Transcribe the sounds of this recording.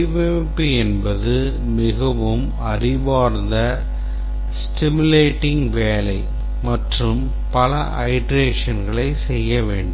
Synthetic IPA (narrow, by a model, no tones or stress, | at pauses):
ʋeːpːiɛnbɐðɯ | mɪɣɐʋɯm | ɐɾɪʋaːɾnd̪ɐ | sʈɪmɯleːʈːɪŋʋeːlɐɪ | mɐʈrɯm | pɐlɐʔɐɪɖɾeːʂɐnɡɐɭɐɪsɛjːɐʋeːɳɖɯ